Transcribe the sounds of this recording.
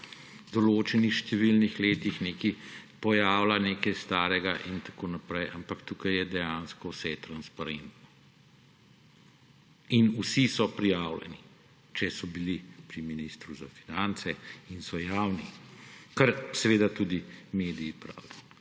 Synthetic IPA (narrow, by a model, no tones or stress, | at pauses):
d̪ɔloːt͡ʃɛnixʃt̪ɛʋilnixleːt̪ixneːkipɔjaːwlaneːkɛjst̪aːɾɛɡaʔint̪ḁkoːnapɾɛjampakt̪ukɐjɛd̪ɛjanskɔwsɛt̪ɾanspaɾent̪nɔ | inusisɔpɾijaːwlɛ̰ni | t͡ʃɛsɔbilipɾiminiːst̪ɾuzafinant̪sɛinsɔjaːwnikɐɾsɛʋeːd̪at̪uːd̪imeːd̪iːpɾa̰ːwd̪i